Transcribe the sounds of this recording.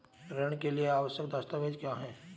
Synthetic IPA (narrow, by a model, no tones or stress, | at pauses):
ɾəɽ̃kelieaːʋəʃjək̚d̪ast̪aʋeːd͡ʒkjaːɦɛː